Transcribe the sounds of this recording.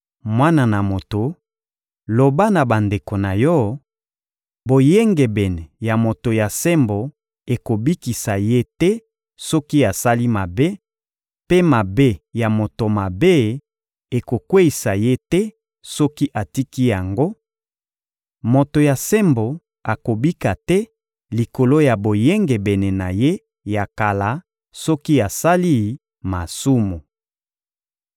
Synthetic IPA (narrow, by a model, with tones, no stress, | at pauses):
mwa˦na˨na˨mo˨to˨ | lo˨ba˦na˨ba˨nde˨ko˨na˨jɔ˦ | bo˨je˦ŋɡe˨bɛ˨nɛ˨ja˨mo˨to˨ja˨se˦mbo˨ | e˨ko˨bi˦ki˨sa˨je˦tɛ˦ | sɔ˦ki˦a˨sa˦li˦ma˨be˦ | pe˦ma˨be˦ja˨mo˨to˨ma˨be˦ | e˨ko˨kwe˦i˨sa˨je˦tɛ˦ | sɔ˦ki˦ʔa˨ti˦ki˦ja˨ŋɡo˦ | mo˨to˨ja˨se˦mbo˨ | a˨ko˨bi˦ka˨tɛ˦ | li˨ko˨lo˦ja˨bo˨je˦ŋɡe˨bɛ˨ne˨na˨je˦ | ja˨ka˨la˨ | sɔ˦ki˦a˨sa˦li˦ | ma˨su˦mu˨